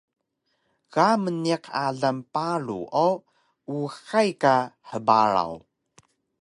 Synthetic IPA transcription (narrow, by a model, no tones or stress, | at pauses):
ɣaməniqaɮampaɭṵʔo | uxajkaħəbaɾa̰w